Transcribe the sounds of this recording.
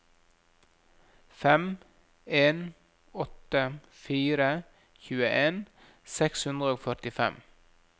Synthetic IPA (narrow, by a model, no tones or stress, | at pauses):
fɛm | eːn | ɔt̪ə | fiːɾə | çʉːəʔeːn | sɛkshʉnd̪ɾəoːfœʈɪfɛ̰m